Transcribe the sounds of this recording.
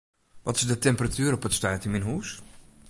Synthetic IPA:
ʋɔtɪzdətɛmpratyːɾɔpətstœːtəmɪnɦuːs

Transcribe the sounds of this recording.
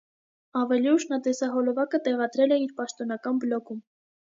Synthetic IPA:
ɑvɛliuʃnɑt̪ɛsɑɦɔlɔvɑkət̪ɛʁɑd̪ɾɛlɛiɾpɑʃt̪ɔnɑkɑnbəlɔkum

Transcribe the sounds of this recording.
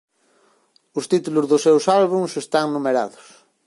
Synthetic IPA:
ʊst̪it̪uluzðʊsewsalβuŋsest̪aŋnũmeɾaðʊs

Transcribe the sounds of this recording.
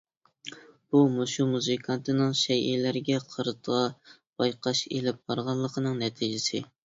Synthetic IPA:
b̥umoʃumuzɨkʰɑnt̪ɨnɨŋʃɛjʔilæɾɡʲɛqʰəɾɨt̪ʰʁɑ | b̥ɑjqʰɑʃelɪp̚b̥ɑɾʁɑlˠːəqʰənɨŋnɛt̪ʰid͡ʒɪsɪ̰

